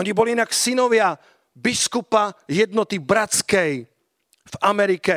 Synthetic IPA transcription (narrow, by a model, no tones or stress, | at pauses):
ɲibɔliinaksinɔʋɪa | biskupajɛd̪nɔt̪ibɾat͡skɛj | vamɛɾikɛ